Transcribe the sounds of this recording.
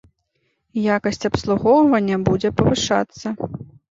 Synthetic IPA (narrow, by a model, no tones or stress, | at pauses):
jakɐsʲt͡sʲɐpslˠuɣɔwvɐnʲːɐbud͡zʲɛpɐvɨʂa̰t̪sːɐ